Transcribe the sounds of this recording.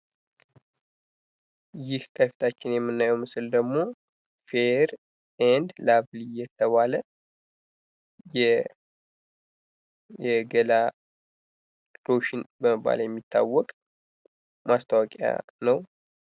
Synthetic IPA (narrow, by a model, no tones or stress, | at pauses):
jɪhkʰəfi̥t̪ʰat͡ʃːɪnjɛmːɨnːajɛwmɨsɨld̪əɡmo̞ | feɾ | ɛnd̪laβlijɛt̪ʰəβalə | jɛ | jɛɡəla | ɾoʃɪnbəməbːa̰ljɛmːit̪ʰːa̰wːɔkʼ | mast̪ʰawakʼa̰nəw